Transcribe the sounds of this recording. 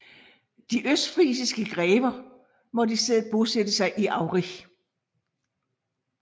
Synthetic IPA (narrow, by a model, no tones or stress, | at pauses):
d̥iʔøsd̥fʁiːsisɡ̥əɡ̥ʁɛːb̥ɐ | mɒ̽disd̥eð̰̩ˠb̥o̝sed̥əsɑ̈ɪʔiʔɑ̈ʊʁi